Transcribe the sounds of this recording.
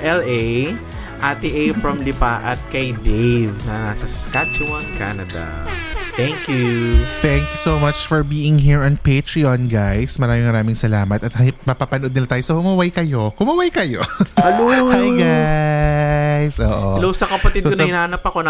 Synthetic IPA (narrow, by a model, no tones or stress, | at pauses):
ʔɛlej | ʔat̪iʔejfɹɐmlɪpaʔɐt̪̚kɐjd̪ejvnɐasɐskat͡ʃʊwɐnkanɐd̪ɐ̰t̪ɛŋkjut̪ɛ̃ŋkjusowmɐt͡ʃfɔɹbiːɪŋɦiːɹɔnpet̪ɹiɔnɡajsmɐɾaːmɪ̃ŋmɐɾaːmɪŋsɐlaːmɐt̪ɐt̪hɐtmɐpapɐnʔo̞d̪nɪlat̪aːjosɐhʊmɐwajkɐjo̞hʊmɐwajkɐjoɐloajɡa | jsʔo̰ːʔolowsɐkɐpɐt̪ɪd̪sokonɐjnaːnɐpɐkon